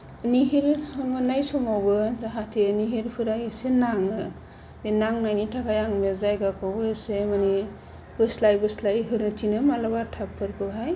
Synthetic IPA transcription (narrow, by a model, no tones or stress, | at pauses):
niɦiɾɯmɯnajsɔmawbɯzaɦatʰeniɦiɾpʰɯɾajɯsenaŋɯ | benaŋnajnitʰakʰajaŋmezajɡakʰɯwbɯsemani | b̥ɯslajbɯslajɦɯnɯtinɯmalabatʰapʰːɯɾbɯɦaj